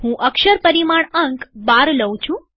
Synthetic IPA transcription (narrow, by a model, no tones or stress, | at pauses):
ɦũʔəkʃəɾpəɾimaɳəŋkbaɾləwt͡ʃʰũ